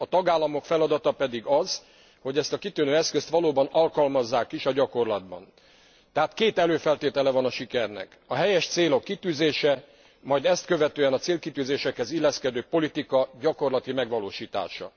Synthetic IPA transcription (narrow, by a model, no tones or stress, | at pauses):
ɒt̪ɒɡaːlːɒmo̞kfɛlɒd̪ɒt̪ɒpɛd̪iɡɒz̥ | ho̞ɟɛst̪ɒkit̪ynøːɛskøst̪ʋɒloːbɒnɒlkɒlmɒzːaːkiʃɒɟɒko̞rlɒd̪̚bɒ̰n | t̪ɛɦaːt̪keːt̪ɛløːfɛlt̪eːt̪ɛlɛvɒnɒʃikɛrnɛ̰kɒɦɛjɛʃt̪seːlo̞kːit̪yːzeːʃɛ | mɒjd̪ɛst̪̚kø̞vɛt̪øːɛnɒt̪seːlkit̪yːzeːʃɛkhɛzilːɛskɛd̪øːpo̞lit̪ikɒɟɒko̞rlɒt̪imɛɡʋɒloːʃiːt̪a̰ːʃɒ̰